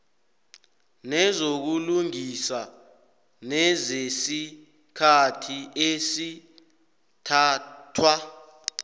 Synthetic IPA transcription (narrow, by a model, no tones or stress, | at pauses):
nɛzok̬uluŋisa | nɛzesi | kʰatʰiʔesi | tʰaːtʰwa